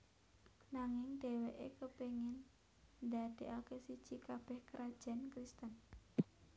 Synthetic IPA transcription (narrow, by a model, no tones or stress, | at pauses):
naŋɪŋd̪̥e̤weʔḛkəpeŋɪn | nd̪ad̪̥e̤ʔakesid̥ʒ̥i̤kab̥ɛhkəɾʔad̥ʒ̥a̤nkɾist̪ən